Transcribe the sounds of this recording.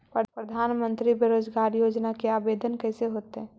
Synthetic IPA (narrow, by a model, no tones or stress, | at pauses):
pɾəpɾəd̪ʱaːnmə̃nt̪ɾibeɾoːd͡ʒɡaːɾjoːd͡ʒnakeaːbed̪ʱənkɛɪseɦoːt̪eɦɛ̃